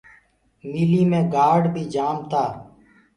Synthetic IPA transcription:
miːliːmẽːɡaːɖbʱiːd͡ʒaːmt̪aː

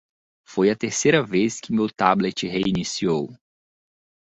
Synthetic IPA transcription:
fojɐt̪eɾsejɾɐveskɪmewt̪ablet͡ʃɪɦeinisiow

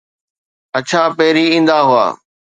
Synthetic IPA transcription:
ət͡ɕʰaːpɛːɾiĩːnd̪aːɦʊa̰ː

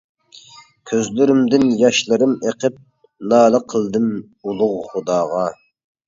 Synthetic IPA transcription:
kʲʰøzlyɾymd̪ɪnjɑʃlˠɨɾɨmeqʰəp̚ | nɑːlˠəqʰəlˠd̪ɨm | ulˠʊʁχʊd̪ɑːʁɑ

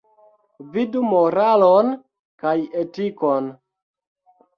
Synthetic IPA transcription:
vidumoɾalon | kajetikon

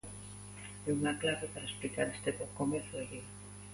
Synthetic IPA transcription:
eunaklaβe̞paɾaesplikaɾest̪epokomeθeɣi

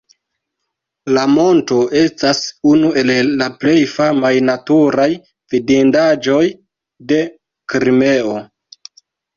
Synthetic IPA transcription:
lamo̞nto̞e̞stasunue̞lːaple̞jfamajnatuɾaj | vidindad͡ʒo̞j | de̞ | kɾime̞o

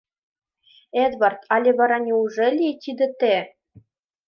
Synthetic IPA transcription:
ed̪βɑrt̪ɑlʲeβɑɾɑnʲiuʐelʲit̪ʲid̪ɘ̆t̪e

